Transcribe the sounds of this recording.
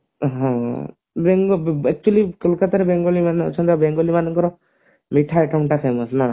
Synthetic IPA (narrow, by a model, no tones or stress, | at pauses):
ɦɔ̃ | beŋɡɔɛk̚t͡ʃualikəlkat̪aɾebeŋɡolimanɔ̰t͡ʃʰɔnd̪abeŋɡɔlimanɔŋkɔɾɔ | miʈʰaɛʈauɳʈapʰemɔsna